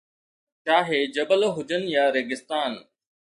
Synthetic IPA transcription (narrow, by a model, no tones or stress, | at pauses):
t͡ʃaːɦeːd͡ʒəbəloɦʊd͡ʒənjaːɾeːɡɪst̪aːn